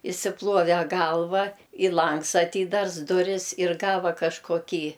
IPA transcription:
ɪʃʲsʲɪˈplˠuɔʋʲɛ ˈɡɐlˠʋɐ ɪ ˈlˠɐŋks ɐˈtʲiːdɐrs ˈdʊrʲɪs ɪr ˈɡɑːʋɐ kɐʃkoːˈkʲiː

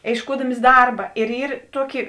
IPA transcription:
eːɪʃˈkuɔdɐmʲɪs ˈdɐrbɐ ɪr ˈiːr ˈtuɔkʲɪ

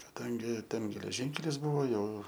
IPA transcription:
kɐˈdɐŋʲɡʲɪ ˈtʲɛn ɡʲɛlʲɛˈʒʲiːŋʲkʲɛlʲɪs ˈbʊʋoː ˈjɛʊ

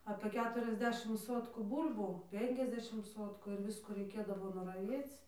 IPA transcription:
ɐpʲeː ˈkʲæːtʊrʲɛzʲˌdʲæːʃʲɪm ˈsoːtkuː ˈbuːlʲbuː ˈpʲɛŋʲkʲɛzʲˌdʲæːʃʲɪm ˈsoːtkʊ ɪr ˈʋʲɪskuː rʲɛɪˈkʲeːdɐʋoː nʊrɐˈʋʲiɛt͡s

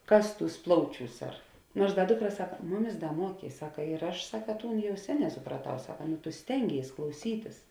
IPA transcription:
ˈkɐs ˈtuːs ˈplˠɐʊˌt͡ʃʲuːs ɐr ˈnuɔrs ˈdɐ ˈdʊkˌrɐ ˈsɑːkɐ ˈmʊˌmʲɪs ˈdɐ ˈmuɔkʲeː ɪ ˈsɑːkɐ ɪr ˈɐʃ ˈsɑːkɐ ˈtuːn ˈjɛʊ ˈsʲæːˌnʲɛː sʊprɐˈtɐʊ ˈsɑːkɐ tʊ ˈsʲtʲɛŋʲˌɡʲeːɪs klˠɐʊˈsʲiːtʲɪs

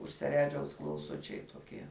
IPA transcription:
ʊʃ sʲɛˈrʲæːd͡ʒʲɛʊs klˠɐʊˈsʊt͡ʃʲɛɪ toːˈkʲiɛ

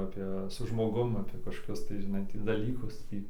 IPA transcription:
ˈɑːpʲeː sʊ ʒmoːˈɡʊm ˈɑːpʲeː kɐʃkoːˈkʲʊs tɐɪ ʒʲɪˈnɐɪ ˈtʲiː dɐˈlʲiːkʊs ˈtʲiː

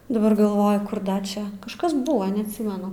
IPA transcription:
dɐˈbɐr ɡɐlˠˈʋoːjʊ ˈkʊr ˈdɐ ˈt͡ʃʲɛ kɐʃˈkɐs ˈbʊʋoː nʲɛɐtʲˈsʲɪmʲɛnʊ

